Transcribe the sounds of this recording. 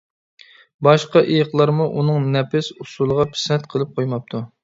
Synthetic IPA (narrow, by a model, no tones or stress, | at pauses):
bɑʃqɑʔejəqlˠɑɾmuʔunɨŋnɛpɪsusulˠəʁɑpʰɪ̥sɛnt̪qʰəlˠɨp̚qʰojmɑp̚t̪ʰu